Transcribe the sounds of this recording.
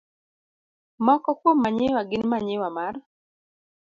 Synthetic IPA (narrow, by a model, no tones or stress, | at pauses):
mɔkɔkwomːaɲɪwaɡɪnmaɲɪwamar